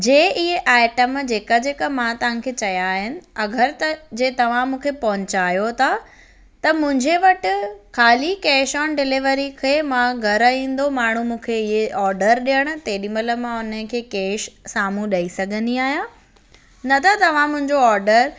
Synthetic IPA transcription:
d͡ʑeːʔɪɦeʔaːɪʈəmd͡ʑeːkad͡ʑeːkəmãt̪ɐʋ̤ãkʰeːt͡ɕɐjaːɦɪnɪ̆ɐɡʱəɾt̪ɐd͡ʑeːt̪ɐʋ̤ãmũːkʰepɐɦʊ̃ɲt͡ɕaːjot̪ʰa | t̪ɐmʊ̃ɦɪ̃ɲd͡ʑeʋɐʈɪkʰaːlikeːʃɔːnɖɪlɪʋəɾikʰeːmãɡʱɐɾaĩːn̆d̪omaːɳ̤umũːkʰeɪɦeʔɔːɾɖəɾɗijəɽ̃ʊ̆t̪eːɗimələ̆mãʊnəkʰeːkeːʃsaːmũɗɐisɐɡʱə̃nd̪iaːɦijã | nɐt̪ʰat̪ɐʋ̤ãmʊ̃ɦɪ̃ɲd͡ʑoɔːɾɖəɾ

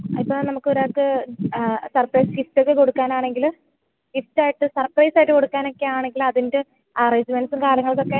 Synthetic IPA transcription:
ipːɐːnɐmukːɨoɾaːk̪ːɨ | sɐrprɐjsɡiftokːeko̞ɽukːaːnaːɳe̞ŋɡil | ɡiftaːjiʈːɨsɐrprɐjsaːjiʈːɨko̞ɽukːaːno̞kːe̞jaːɳe̞ŋɡilɐðinde | aresiʋensumkaːlɐŋːɐɭkːo̞kːe

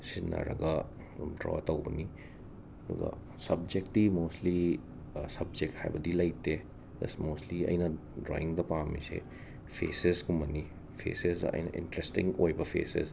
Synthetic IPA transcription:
sinːɐ̰ɾɐ̰ɡɐ | mdɾɔ̰tɐwbɐni | ɐd̪ṵɡɐ̰ | sɐb̚d͡ʒek̚tːimostli | sɐb̚d͡ʒek̚tha̰jbɐdilɐjtːe | lɐsmostliɐ̰jnɐ | dɾo̰iŋdɐpamisḛ | pʰeseskumɐni | pʰḛsesdɐ̰ʔɐ̰jnɐ̰ʔḭntɾestiŋojbɐpʰeses

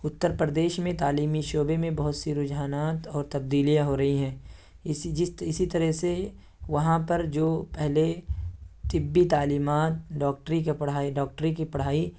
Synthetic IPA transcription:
ʊt̪ːəɾpɾəd̪eːʃmẽt̪aːliːmiʃoːbemẽbɐɦʊt̪siɾʊd͡ʒaːnaːt̪ɔːɾt̪ɐb̚d̪iːlijaɦoɾɐɦiɦɛ̃ː | id͡ʒɪsɪsit̪ɐɾəɦse | ʋɐɦãpɐɾd͡ʒoːpɛɦle | t̪ɪbːit̪aːliːmaːt̪̚ɖɔːk̚ʈəɾikepɐɽaiɖɔːk̚ʈɾikipɐɽ̤aːi

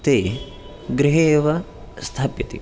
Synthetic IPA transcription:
t̪eː | ɡɾiɦeːʋɐ | st̪ʰaːpjɐt̪ḭ

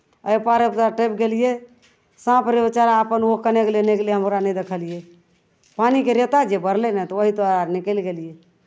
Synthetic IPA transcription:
əjpaɾəpt̪aʈep̚ɡelije | sãpɾəbit͡ʃaɾapənokəneɡeleneɡeleɦəmɾanəjd̪ekʰəlije | panikeɾet̪ad͡ʒebəɾlenɛt̪ɔʋəɦit̪oɾanikəlɡelije

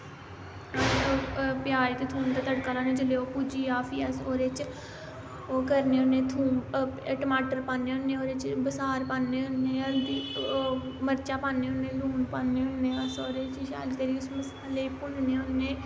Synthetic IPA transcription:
et͡ʃoːpjaːɾeːt̪et̪ʰuːnt̪aːt̪əɽkaːlaːneːd͡ʒəleːoːpuːd͡ʒiːaːpʰiːəsoːɾeːt͡ʃ | oːkəɾneːonːẽːt̪ʰuːnʈəmaːʈəɾpãːneːonːeːoːɾeːt͡ʃbəsaːɾpaːnːeːʊnːẽːəld̪iː | məɾt͡ʃaːpãːneːʊnːeːluːnpaːneːʊnːeːəsoːɾet͡ʃʃa̰ːlt̪eːɾiːʊsməsaːleːpʊnneːonːeː

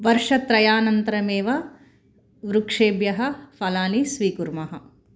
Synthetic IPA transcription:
ʋɐɾʂɐt̪ɾɐjaːnɐnt̪ɐɾɐmeːʋɐ | ʋɾukʂeːbjɐɦɐfɐlaːnisʋiːkuɾmɐɦɐ̆

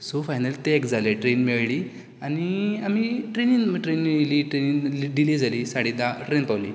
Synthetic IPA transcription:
sofajnəlt̪eekd͡zaleʈɾenmeɭɭiː | aniamiʈɾeniŋʈɾeniliːʈɾeniŋɖiled͡zaliːsaɽ̤id̪aʈɾenpawlḭː

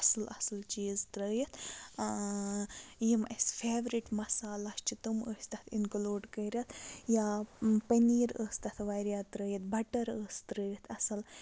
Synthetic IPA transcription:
ɐslʔɐsɨlt͡ʃiːzt̪ɾəːjɐt̪ʰ | jimɐsʲfʰeːʋɾiʈmɐsaːlɐst͡ʃʰit̪uməːsʲt̪ɐt̪ʰinkluːɖkɐːɾʲɐt̪ʰjaːpɐniːɾəːsʲt̪ɐt̪ʰʋɐjɾjaːt̪ɾəːjɐt̪̚bɐʈɐɾəːsʲt̪ɾəːɾʲɐt̪ʰɐsɐl

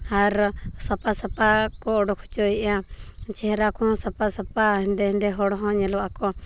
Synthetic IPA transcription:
aɾsɔpasapakɔɔɖɔkʰu̥t͡ʃɔiat͡ʃʰɛɦɛɾakʰɔ̃sapasapaɛnd̪ɛnd̪ɛɦɔɽɦɔ̃ɲɛlɔakɔ

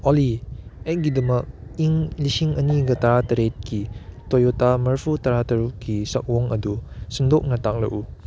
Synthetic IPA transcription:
ɔliet̚ɡidɐmɐk̚iŋlisiŋɐniɡɐtaɾatɐɾet̚kitojotamɐɾpʰutaɾatɐɾukisɐk̚wɔŋɐdusindok̚nɐtak̚lɐ̰ʔu

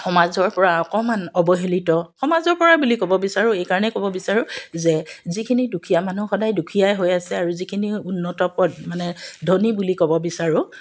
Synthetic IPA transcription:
xɔmazɔɹpɔɹaɔkɔmanɔbɔɦelitɔxɔmazɔɹpɔɹabulikɔbɔbisaɹʊ̃ejkaɹɔnɛkɔbɔbisaɹʊzɛzikʰinidukʰijamanuxɔdajdukʰijajɦojasɛaɹuzikʰiniunːɔtɔpɔt̚manɛdʱɔnibulikɔbɔbisaɹʊ

